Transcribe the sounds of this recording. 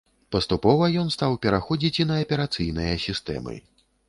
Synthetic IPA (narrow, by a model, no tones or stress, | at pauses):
pɐst̪upɔvɐjɔn̪st̪awpʲɛɾaxɔd͡zʲit͡sʲinɐːpʲɛɾat̪sɨjnɨjɐsʲist̪ɛ̰mɨ̰